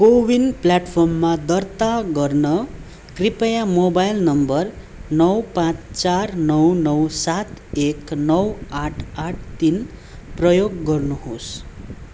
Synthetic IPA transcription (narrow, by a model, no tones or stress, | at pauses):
kowinplaʈpʰʌrmːad̪ʌrt̪aɡʌrnʌ | kripʌjamobajlnʌmbʌr | nʌwpãt͡st͡sarnʌwnʌwsat̪eknʌwaʈʰaʈʰt̪in | prʌjoɡːʌrnuɦos